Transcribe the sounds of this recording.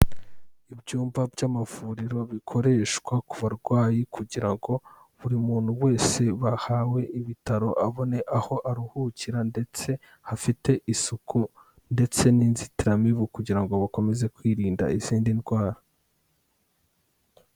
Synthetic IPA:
ibɟuːmvabɟamavuːɾiɾo̞βikʰo̞ɾe̞ʃkwakuβaɾɡwaːjikuɟiɾaŋɡo̞ | βuɾimuːn̥huwe̞ːse̞βahaːwe̞iβitaɾo̞ʔaβo̞ne̞ʔaho̞ʔaɾuhuciɾande̞t͡se̞ | hafite̞ʔisukʰu | nde̞t͡se̞niːnzitiɾamiβukuɟiɾaŋɡo̞βako̞me̞ze̞kwiːɾiːnda̰iz̥iːndinɡwaːɾa

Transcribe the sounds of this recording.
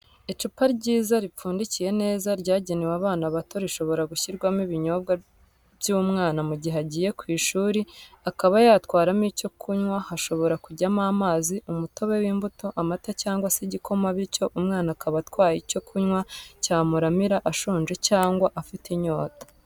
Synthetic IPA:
et͡ʃupaɾɟiːzaɾip͡fuːndicije̞ne̞ːzaɾɟaːɟenewaβaːnaβatʰo̞ɾiʃo̞βo̞ɾaɡuçiɾɡwamiβiɲo̞bɡa | βjumŋaːnamuɟiɦaɟije̞kwiːʃuːɾi | akaβajaːtwaːɾamico̞kʰuɲwahaʃo̞βo̞ɾakuɟamaːmaːziumuto̞βe̞wiːmbuto̞ʔamatacaːŋɡwaseɟikʰo̞maβico̞ʔumŋaːnakʰaβatwaːjico̞kʰuɲwacaːmuɾamiɾaʔaʃuːnʒe̞caːŋɡwaʔafitiɲo̞ːtḁ

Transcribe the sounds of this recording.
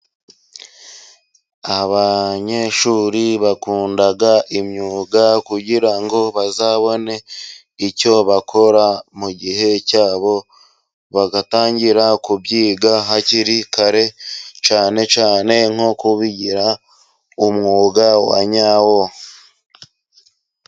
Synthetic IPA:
aβaɲe̞ʃuɾiβakuːndaɡaʔimɲuːɡakuɟiɾaŋɡo̞βazaːβo̞ne̞ | ico̞βakʰo̞ɾamuɟiɦe̞caːβo̞ | βaɡataːɲɟiɾakubɟiːɡaɦaciɾikʰaɾe̞t͡ʃaːne̞t͡ʃaːne̞ŋ̥okuβiɟiɾa | umŋuːɡawa̰ɲawo

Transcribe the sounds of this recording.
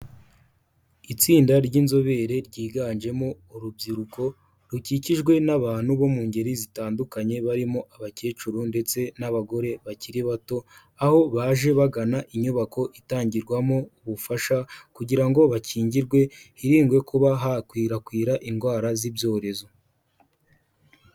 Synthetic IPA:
it͡siːndaɾjɟinzo̞βe̞ːɾe̞ɾɟiːɡaːnʒe̞mo | uɾubɟiɾuko̞ | ɾuciciʒɡwe̞naβaːn̥huβo̞muːɲɟe̞ɾizitaːndukaɲe̞βaɾimoʔaβace̞ːt͡ʃuɾunde̞t͡se̞naβaɡo̞ɾe̞βaciɾiβato̞ | aho̞βaːʒe̞βaɡanaʔiɲuβako̞ʔitaːɲɟiɾɡwamouβufaʃakuɟiɾaŋɡo̞βacʰiːɲɟiɾɡwe̞hiɾiːŋɡwe̞kuβaɦakwiːɾakwiːɾaʔiŋɡwaːɾazibjo̞ːɾe̞zo̞

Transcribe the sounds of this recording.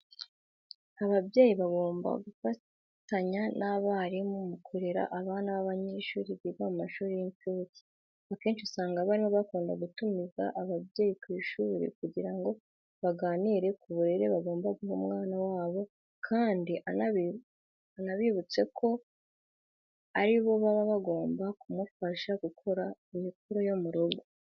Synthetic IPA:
aβaβje̞ːjiβaɡo̞ːmba̰ɡufa | taɲanaβaɾimumukʰo̞ɾe̞ɾa̰ʔaβaːnaβaβaɲeʃuːɾiβiβamumaʃuːɾijiɲfuci̥ | βake̞ːnʃisaːŋɡaβaɾimo̞βakuːnda̰ɡutumiza̰ʔaβaβje̞ːjikwiːʃuːɾḭkuɟiɾaŋɡo̞ | βaɡaːniːɾe̞kuβuɾeɾe̞βaɡo̞ːmbaɡuhomŋaːnawaːβo̞ | kʰaːndiʔanai | anaβiβut͡se̞kʰo̞ | aɾiβo̞βaβaβaɡoːmbakumufaʃaɡ̥ukʰo̞ɾaimik̚uɾojomuɾuɡu

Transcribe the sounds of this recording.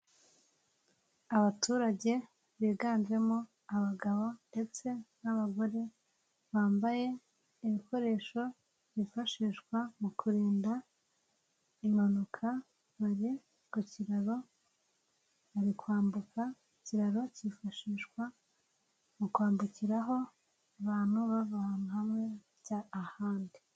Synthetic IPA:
aβatʰuːɾaɟe̞ | βiːɡaːnzwe̞mo | aβaɡaβo̞nde̞t͡se̞naβaɡo̞ɾe̞ | βaːmbaje̞ | iβiko̞ɾe̞ːʃo̞ | βifaʃiːʃkwamukʰuɾeːnda | imanukʰa | βaɾi | kuciɾaɾo̞ | βaɾikwaːmbukʰa | uciɾaɾo̞cifaʃiːʃkwa | mukwaːmbuciɾaɦo̞ | aβaːn̥huβavahamhamŋe̞ | ɟaːhaːndi

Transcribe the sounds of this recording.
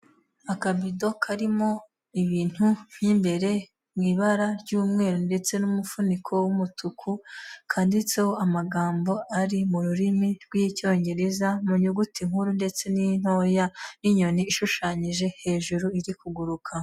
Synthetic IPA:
akabido̞kʰaɾimo̞ | iβiːn̥hum̥imbe̞ɾe̞ | mŋiːβaɾaɾɟuːmŋe̞ːɾonde̞t͡se̞numufunikʰo̞wumutukʰukʰaːndit͡sewoamaɡaːmbo̞aɾimuɾuɾimiɾɡwico̞ːɲɟe̞ɾe̞zamuɲuɡutiŋ̥huɾunde̞t͡se̞nin̥o̞janiɲo̞niːʃuʃaːɲiʒe̞he̞ːʒuɾuiɾikuɡuɾukʰa

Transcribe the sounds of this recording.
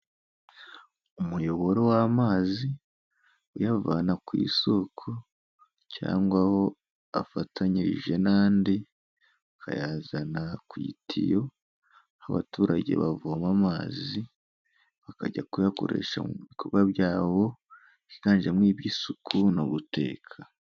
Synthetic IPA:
umujo̞βo̞ɾo̞wamaːzi | ujavanakwḭːsokʰo | ca̰ːŋɡwaho̞ | afatʰaɲiɾḭʒe̞naːndi | βakʰa̰jaːzanakwḭtʰijo̞ | haβa̰tuːɾaɟe̞̰βavomamaːzi | βakaɟakujako̞̰ɾe̞̰ʃamuβiβikʰo̞βɡaβjɟaːβo̞ | ikaːnʒemŋiːβjisukʰuno̰βutʰe̞̰ːkʰa

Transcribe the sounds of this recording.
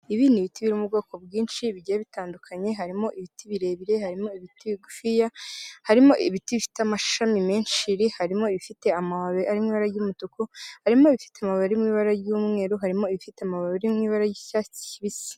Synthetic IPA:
iβiːndiβitiβiɾomubɡaːko̞bɡiːnʃiβiɟaaβitaːndukʰaɲe̞ɦaɾimo̞ʔiβitiβiɾe̞ːβiɾe̞haɾimo̞iβitiβiɡufijahaɾimo̞ʔiβitiβifi̥tamaʃʃamime̞ːnʃiɾihaɾimo̞iβifite̞amawaβeʔaɾimŋiːβaɾajuːmutukohaɾimo̞βifi̥teamaβaβɾimŋiːβaɾajuːmŋe̞ːɾoɦaɾimo̞iβifiteamaβaβɾimŋiːβaɾajicaːt͡si̥iβisi̥

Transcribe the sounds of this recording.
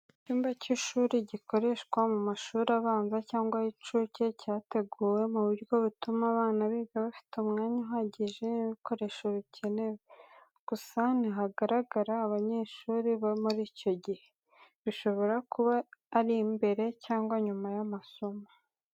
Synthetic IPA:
cuːmbaciʃuːɾiɟiko̞ɾe̞ʃkwamumaʃuːɾaβaːnzacaːŋɡwait͡ʃuːce̞caːte̞ɡuːwe̞muβiɾɡo̞βutumaβaːnaβiɡaβafi̥tumŋaːɲaɦaɟiʒeniβiko̞ɾe̞ʃoβicʰenewe | ɡ̥usaniɦaɡaɾaɡaɾaːβaɲe̞ːʃuːɾiβamuɾiːco̞ɟihe̞ | βiʃo̞βo̞ɾakuβaːɾimbe̞ɾe̞caːŋɡwaɲumajamasoma

